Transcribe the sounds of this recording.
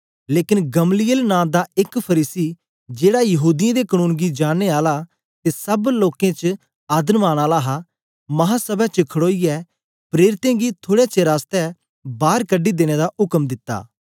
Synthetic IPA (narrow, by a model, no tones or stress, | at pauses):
leːkɪnɡɐmlijəlnãːd̪aɪkpʰɐɾiːsi | d͡ʒeːɽajɐɦuːd̪ɪjãd̪ekənũːnɡid͡ʒaːneaːla | t̪esɐbloːkẽt͡ʃ | aːd̪ənmaːɽ̃aːlaɦa | mɐɦãsəbɛt͡ʃkʰɐɽoːiɛ | pɾeːɾɪt̪ẽɡit̪ʰoːɽɛt͡ʃeɾaːst̪ɛ | baːɾkəɖːid̪eːɽ̃ed̪aʔʊkmd̪ɪt̪ːa̰ː